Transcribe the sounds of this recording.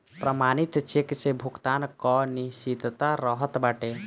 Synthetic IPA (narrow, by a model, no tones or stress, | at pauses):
pɾəmanit̪t͡ʃʰeksebʱuɡt̪ankɔniʃid̪t̪aɾəɦət̪baʈe